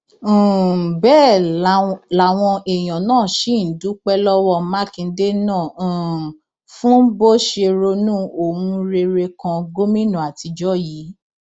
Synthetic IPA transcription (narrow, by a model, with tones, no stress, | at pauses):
bɛː˦˨ | la˨w̃ɔ̃˧ʔɛ˨j̃ɔ̃˨nãː˦˨ʃi˨˦˨n̩˨du˨˦k͡pɛ˦lɔ˦wɔ˦˨ma˦kĩ˨˧˦de˦nãː˦˨ | fũ˦bo˦ʃe˧ɾo˧nũ˦o˨wũ˧ɾe˧ɾe˧kã˧ɡo˦mĩ˦nũ˦˨a˨ti˧d͡ʒɔ˦ji˨˦